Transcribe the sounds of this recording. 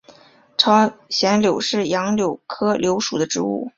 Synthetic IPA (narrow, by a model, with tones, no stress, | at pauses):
ʈ͡ʂʰɑ˧˥ʊɕjɛ˧˥nljo˨˩ʊʂɻ̩˥˩jɑ˧˥ŋljo˨˩ʊkʰɤ˥ljo˧˥ʊʂu˨˩d̪ə˦ʈ͡ʂɻ̩˧˥ṵ˥˩